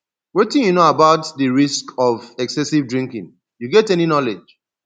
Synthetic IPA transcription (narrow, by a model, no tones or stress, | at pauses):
wetĩnjunoabaʊtdiɹiskɔvɛksɛsivdɹĩŋkḭ̃ŋ | juɡɛtɛninɔled͡ʒ